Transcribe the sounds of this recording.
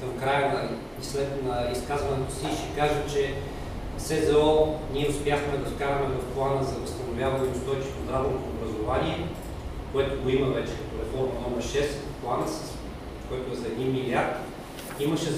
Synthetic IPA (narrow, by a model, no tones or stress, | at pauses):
kɐmkɾajənɐli | islɛt̪nɐiskazvɐnɛt̪o̥siʃɛkaʒət͡ʃɛ | sɛzɛoniɛʊspʲjaxmɛd̪ɐt̪kaɾɐmɛvɐfplˠanəzɐvɐst̪ɐnovʲjavɐnɛnʊst̪ɔjt͡ʃit̪od̪ɾad̪onot̪oːbɾɐzovaniɛ | koɛt̪oɡoimɐvɛt͡ʃɛ̥kɐt̪oɾɛfɔɾmɐnɔmɐɾʃɛs | plˠanəss | koɛt̪oɛzɐɛd̪inmiliaɾt̪ | iməʃɛ